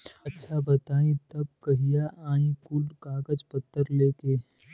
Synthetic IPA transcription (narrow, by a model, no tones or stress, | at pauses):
ɐtːʃʰabɐt̪aːĩt̪ɐb̚kɐɦijaʔãːĩkʊlkaːɡəd͡ʒpɐt̪ːəɾleːkeː